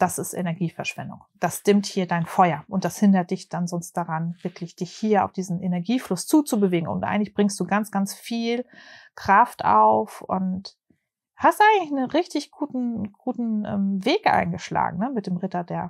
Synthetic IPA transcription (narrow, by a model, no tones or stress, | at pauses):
d̥asɪstʔḛnɛɐɡiːfɛɐʃv̥ɛ̰ndʊ̰ŋd̥asd̥ɪmthiːɐdaɪnfɔʏɐʔʊntd̥ashɪndɐt̚d̥ɪçd̥anzɔnst̚d̥aʁanvɪɐklɪçd̥ɪçhiːɐʔa̰ʊfd̥iːzn̩ʔenɛɐɡiːflʊst͡suːt͡subəveːɡŋ̩ʊ̰ntʔa̰ɪŋ̩tlɪçb̥ʁɪŋstd̥uːɡant͡sɡ̥ant͡sfiːlkʁ̥aftʔa̰ʊfʔʊ̰nt | hastʔaɪɡŋ̩tlɪçnənʁɪçtɪçɡ̥uːtn̩ɡ̥uːtn̩ʔɛ̰ːmveːkʔa̰ɪnɡəʃla̰ːɡŋ̩nəmɪt̚d̥eːmʁɪtɐdeːɐ